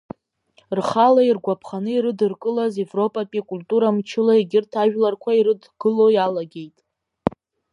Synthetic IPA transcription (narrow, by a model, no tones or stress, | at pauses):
rχalairɡʷapʰχanɨiɾɨdɨrkʼɨlaze̞vro̞pʼapʼikʼultʼuɾamt͡ʃʰɪlaeɡʲɪrtʰaʒᶣlarkʷʰaiɾɨdɡ̥ɨlojalaɡʲe̞jtʼ